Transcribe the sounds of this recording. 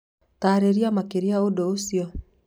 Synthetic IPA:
taːɾeɾiamakeɾiaodoosjɔ

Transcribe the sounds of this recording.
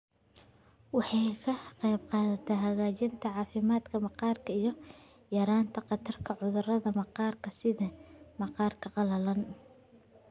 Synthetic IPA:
wɑħɑjkʰɐqɑjbqɑːðɐt̪ʰɛɦɐɣaːt͡ʃɪnt̪ʰɐʕɑːfɪmaːd̪kʰɐmɐqɑːrkʰɐijɞ | jɐɾaːnt̪ʰɐqɑt̪ʰɐrkʰɐʕʊðʊrɐðɐmɐqɑːrkʰɐsɪðɐmɑqɑːrkʰɐqɑlɐlɐn

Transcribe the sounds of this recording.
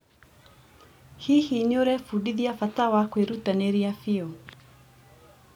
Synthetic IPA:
hiːhinioɾɛfudiðiafatawakweɾutaneɾiafiɔ

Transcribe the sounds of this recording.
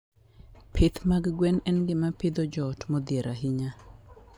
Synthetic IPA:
pʰɪt̪maɡɡwɛnɛnɡɪmapɪd̪ɔd͡ʒɔtmɔd̪jeɾaɦiɲa

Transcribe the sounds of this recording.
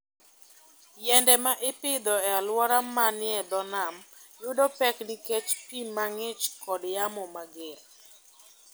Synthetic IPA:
jɛndɛmaʔɪpɪd̪ɔɛalwɔɾamanɪɛd̪ɔnamjʊdɔpɛknɪkɛt͡ʃpimaŋɪt͡ʃkɔdjamɔmaɡel

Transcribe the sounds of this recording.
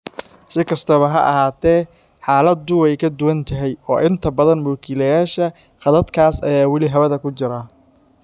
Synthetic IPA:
sɪkʰɐst̪ʰɐβɐɦɐ̰ʔɐ̰ɦaːt̪ʰɛː | ħaːlɐd̪ʊɛjkʰɐd̪ʊwɐnt̪ʰɐɦɛjɔːʔɪnt̪ʰɐbɐðɐnmʊːkʰɪlɐjaːʃɐ | qɑðɐd̪kʰaːsɐ̰jaːwɑlɪɦɐβɐðɐkʰʊt͡ʃɪɾaː

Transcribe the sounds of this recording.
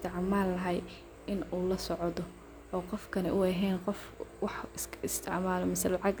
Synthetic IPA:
t̪ʰɪʕmaːlːɐɦɛj | ɪnuːlɐsɔʕðɔ | ɔːqɔfkʰɐnɛʔʊɛɦɛːnqɔf | wɑħɪst̪ʰɪ̰ʕmaːlɔmɐsɐlɑʕɑɡ

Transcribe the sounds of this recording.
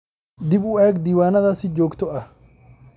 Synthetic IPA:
d̪ɪbʊaːɡd̪iːwaːnɐðaːsɪd͡ʒoːkt̪ɔʔɐ

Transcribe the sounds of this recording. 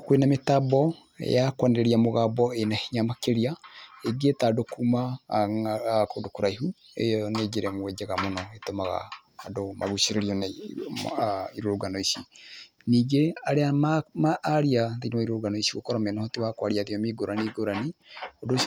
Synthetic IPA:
kwenametabɔ | ḛjakwanɛɾeɾiamoɣabɔenahiɲamakeɾiaeɡetadokuma | kodokoɾaihu | ḛjɔned͡ʒeɾɛmowɛd͡ʒaɣamonɔetomaɣa̰ːdoma̰ɣuʃeɾeɾiɔn | iɾoɾoɡanoisi | niːɡeaɾeamamaːɾiaðinaiɾoɾɡanɔisiɣokɔɾɔmɛnɔhotiwakwaɾiaðiɔmiɡoɾaniɡoɾaniodo

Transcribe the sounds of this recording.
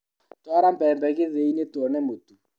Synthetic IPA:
twaɾampɛmbɛkɪðeinetɔnɛmotu

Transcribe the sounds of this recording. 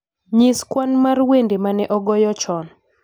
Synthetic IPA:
ɲiskwanmarwendemanɛʔɔɡɔjɔt͡ʃɔn

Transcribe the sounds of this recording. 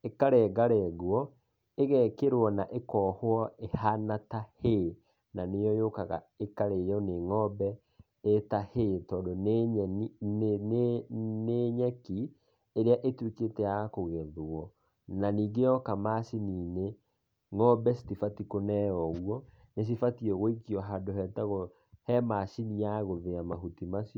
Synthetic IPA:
ekaɾɛːɡaɾɛɣwɔ | eɣɛkeɾwɔnaʔekɔːhoɔehanatahe | nanejɔjokaɣa̰ | ekaɾejɔneŋɔbɛ | etahetɔːndonɛn | neɲɛki | eɾeaʔetweketɛakoɣɛðɔ | naniːɡejɔkamasiniːne | ŋɔbɛsi̥tifatikonɛɔɣwɔ | nes̬ifatiɔɣoikiɔɦadoɦɛtaɣɔ | hɛmasinijaɣoðeamaɦutimasiɔ

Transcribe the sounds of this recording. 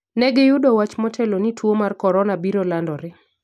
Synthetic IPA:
nɛɡɪjʊdɔwat͡ʃmɔtʰɛlonitʰwomarkɔɾɔnabiɾolandɔɾɪ

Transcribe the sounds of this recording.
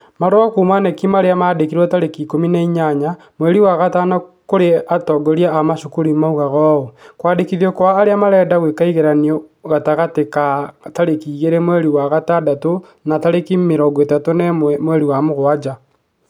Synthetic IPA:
maɾoakumanekimaɾeamaːdekiɾwɔtaɾekikominaiɲaɲa | mwɛɾiwaɣatanakoɾeatɔɡɔɾiaamaʃokoɾimauɣaɣɔːokwadekiðɔkwaːɾeamaɾɛːdaɣwekaiɣeɾaniɔɣataɣatekataɾekiːɣeɾemwɛɾiwaɣatadato | nataɾekimeɾɔɡɔetatonemwɛɾiwamoɣoad͡ʒa

